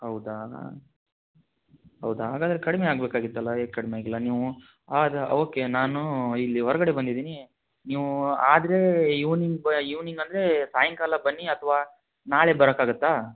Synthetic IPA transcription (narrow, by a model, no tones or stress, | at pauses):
ɦɐwd̪a | ɦɐwd̪ɐɦaːɡaːd̪ɐɾekɐɽimeaːɡbeːkaːɡit̪ːɐlːɐeːkɐɽimeaːɡilːɐniːʋu | aːd̪oːkːe̞naːnuilːiɦɔɾɐɡɐɽebɐnd̪id̪iːni | niːʋuaːd̪ɐɾe̞juːniŋɡbjuːniŋɡɐnd̪ɐɾe̞saːjɐŋkaːlɐbɐnːiɐt̪ʰɐʋaː | naːɭebɐɾɐkaːɡut̪ːaː